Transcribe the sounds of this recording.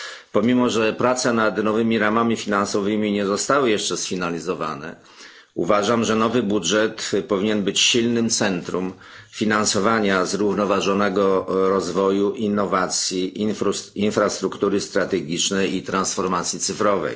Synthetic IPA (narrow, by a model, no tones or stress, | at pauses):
pɔmʲimɔʐɛpɾat̪sɛnad̪nɔvɘmʲiɾamamʲifʲinansɔvɘmʲiɲɛzɔst̪awɘjɛʂt͡ʂɛsfʲinalʲizɔva̰nɛ̰ | ṵvaʐamʐɛnɔvɘbudʐɛt̪pɔvʲiɲɛnbɘt͡ɕɕilnɘmt̪sɛnt̪ɾum | fʲinansɔvaɲazɾuvnɔvaʐɔnɛɡɔɾɔzvɔjuʔinːɔvat̪sʲji | infɾast̪ɾukt̪uɾɘst̪ɾat̪ɛɡʲit͡ʂnɛjit̪ɾansfɔɾmat̪sʲjit̪sɘfɾɔvɛ̰j